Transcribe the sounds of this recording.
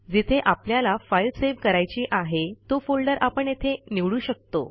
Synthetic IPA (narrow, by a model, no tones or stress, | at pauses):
d͡zit̪ʰeʔapljalafailseʋkəɾajt͡ɕiːʔaɦet̪ofolɖəɾapəɳjet̪ʰeniʋɭuːɕək̚t̪o̰